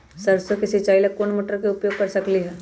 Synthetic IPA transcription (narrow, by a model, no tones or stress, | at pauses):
sɐɾsokɪsit͡ʃaːɪlɐkkoːnmoːʈəɾkeʊpjoːɡ̚kpɐɾsɐkliɦɛː